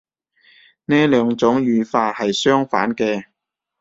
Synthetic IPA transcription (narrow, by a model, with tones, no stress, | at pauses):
neː˥lœː˨˧ŋt͡sʊ˨˥ŋjyː˨˧faː˧t̚hɐ˨jsœː˥ŋfaː˨˥nkɛː˧